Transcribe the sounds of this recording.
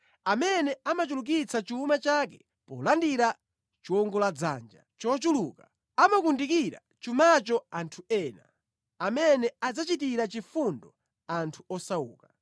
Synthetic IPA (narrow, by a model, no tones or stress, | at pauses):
amɛnɛamat͡ʃuluk̬it͡sʰat͡ʃuːmat͡ʃakɛ | pɔ̰landiɾa | t͡ʃuɔŋɡɔlad͡za̰nd͡ʒa̰t͡ʃɔt͡ʃuluka | amakundikiɾa̰ | t͡ʃumat͡ʃɔantʰuɛːna̰ | amɛnɛad͡zat͡ʃit̬iɾat͡ʃifundɔ | antʰuɔsaṵːka